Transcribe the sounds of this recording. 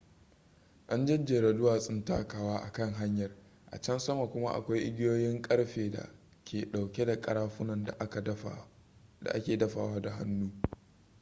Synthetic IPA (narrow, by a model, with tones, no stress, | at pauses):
ʔa˦nd͡ʒɐ˦d͡ʒːeː˨ɾɐ˨dʊ˦waː˨sʼɪ˦nta̰ː˦kaː˨waː˦ʔa˨kɐ˦ŋɦa˦ɲjɐ˨r | ʔa̰˨t͡ʃɐ˦nsɐ˦ma˨kʷʊ˦ma̰˦ʔa̰˨kʷa˦jʔɪ˦ɡʲɪ˦joː˦jɪ˦ŋkʼɐ˦ɽɸeː˨da̰˨ | kʲeː˨ɗa˨wkʲe˦da˨kʼɐ˦ɾaː˦ɸʊ˦nɐ˨nda˨ʔa˨˦˨ | da̰˨ʔa˦kʲeː˨dɐ˦ɸa̰ː˨waː˦da˨ɦa̰˦nːuː˦